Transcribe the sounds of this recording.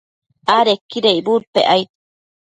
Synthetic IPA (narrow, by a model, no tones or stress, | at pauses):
aɾekːiɾeibuɾpḛʔajt̪